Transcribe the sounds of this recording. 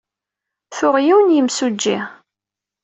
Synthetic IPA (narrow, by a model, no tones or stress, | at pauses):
θʊʁjiwnjəmsud͡ʒːi